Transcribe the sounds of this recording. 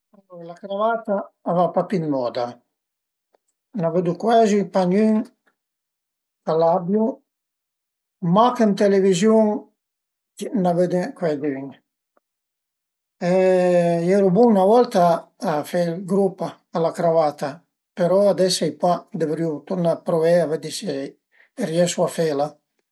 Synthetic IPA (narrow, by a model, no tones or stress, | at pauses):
andulakɾavat̪aːvapapinmɔd̪a | naved̪ukwɛzipaɲyŋ | kalabju | makənt̪elevizjuŋ | naved̪ekwɛd̪yŋ | ejɛɾubunavɔlt̪aː | felɡɾupa | alakɾavat̪a | peɾɔad̪ɛsajpad̪evɾiut̪uɾnapɾovɛavɛd̪ise | riɛsuafela